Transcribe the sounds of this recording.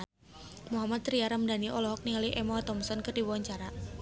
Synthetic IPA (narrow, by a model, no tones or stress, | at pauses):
muɦamat̪ɾiaɾamdaniʔɔlɔɦɔk̚niŋaliʔɛmɔat̪ɔmsɔnkərdiwaɲt͡ʃaɾa